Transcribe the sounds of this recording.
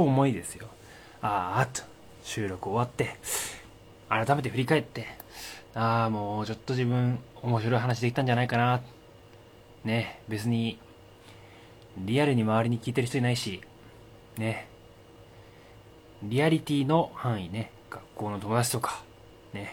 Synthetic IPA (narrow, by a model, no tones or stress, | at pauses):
oːmo̞id̪e̞sɨjo̞ | at̪ | ɕɨːɾo̞kɯ̟oβat̪ːe̞ | aɾat̪ame̞t̪e̞ɸɯ̟ɾʲikae̞t̪ːe̞ | aːmo̞ːt͡ɕo̞t̪ːo̞ʑibɯ̟̃ɴ̃o̞mo̞ɕiɾo̞iɦanaɕ̬id̪e̞kʲit̪ãɲ̟d͡ʑanaikana | ne̞be̞t͡sɨɲ̟i | ɾʲiaɾɯ̟ɲ̟imaβ̞aɾʲiɲ̟ikʲiːt̪e̞ɾ̟çit̪oɲinaiɕi | ne̞ | ɾʲiaɾʲit̪ʲiːno̞hãɰ̃ine̞ | ɡ̥akːo̞ːno̞t̪o̞mo̞d̪at͡ɕi̥t̪o̞kḁ | ne̞